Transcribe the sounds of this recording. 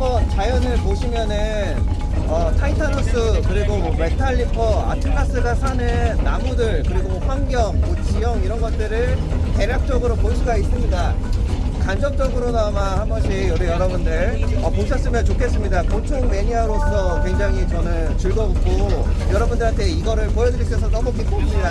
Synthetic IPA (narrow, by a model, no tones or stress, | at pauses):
ʌnt͡ɕajʌnɯɭpoɕʰimjʌnɯ | n | ʌtʰaitʰanos͈ɯkɯɾiɡobe̞tʰaʎːipʰʌa̰tʰɯkʰas͈ɯɡasʰanɯnːamudɯɭkɯɾiɡoɸwaŋɡjʌŋmot͡ɕijʌŋiɾʌnɡʌt̚t͈ɯɾɯɭte̞ɾjak̚t͡ɕ͈ʌɡɯɾopoɭs͈uɡais͈ɯmɲida | kand͡ʑʌk̚t͡ɕ͈ʌɡɯɾonamahaɡʌɕʰijʌɡijʌɾʌbundɯɭʌpok̚s͈ʌs͈ɯɭmjʌnt͡ɕokʰe̞s͈ɯmɲidakot͡ɕʰoŋme̞ɲiaɾos͈ʰʌkwe̞ŋd͡ʑaŋit͡ɕʌnɯnt͡ɕɯɭɡʌbop̚k͈ojʌɾʌbundɯɾɦantʰe̞iɡʌɾɯɭpojʌdɯɾis͈ʰesʰʌnʌmʌk͈ʰik͈oida